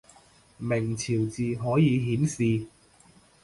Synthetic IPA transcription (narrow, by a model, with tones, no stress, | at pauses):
mɪ˨˩ŋt͡sʰiː˨˩wt͡siː˨ɦɔː˨˥jiː˨˧ɦiː˨˥msiː˨˧